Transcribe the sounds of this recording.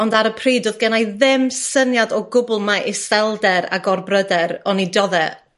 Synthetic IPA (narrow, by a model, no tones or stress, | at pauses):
ɔndaɾəpʰriːdoðɡənajðɪmsənjadɔɡʊbʊl̩ˠmaʔɪsvɛlˠdɛɾa̰ɡɔrbrədɛɾɔnidɔðɛ